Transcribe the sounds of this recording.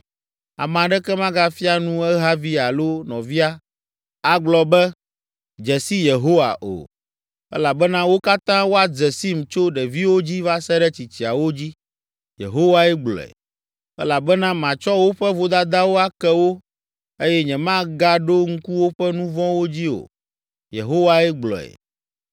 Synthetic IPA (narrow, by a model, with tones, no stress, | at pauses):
a̰˨m˨ã˨ɖɛ˦kɛ˦mã˦ɡa˦fi˦a˦nũ˦ɛ˦ɦa˦vi˦a˨lo˦nɔ̃˨vi˦a˦ | a˦ɡ͡blɔ˨bɛ˦ | d͡ʒɛ˨si˦je˨ɦo˦wa̰˨ʔo̰˨ | ɛ̰˦la˨bɛ˦nã˦wo˦ka˦t̪ã˦wo˦a˨d͡zɛ˨si˦m˨t͡ʃo˦ɖɛ˨vi˦wo˦d͡ʑi˦va˦sɛ˦ɖɛ˦t͡ɕi˨t͡ɕi˨a˨wo˦d͡ʑi˦ | jḛ˨ɦo˦wa˦ɛ˦ɡ͡blɔ̰˨ɛ̰˨ | ɛ̰˦la˨bɛ˦nã˦mã˨t͡ʃɔ˦wo˦ɸɛ˦vo˦d̪a˦d̪a˦wo˦a˦kɛ˦wo˦ | e˦jɛ˦ɲɛ̃˨mã˦ɡa˦ɖo˦ŋ̩˦ku˦wo˦ɸɛ˦nũ˦vɔ̃˦wo˦d͡ʑi˦o̰˨ | jḛ˨ɦo˦wa˦ɛ˦ɡ͡blɔ̰˨ɛ̰˨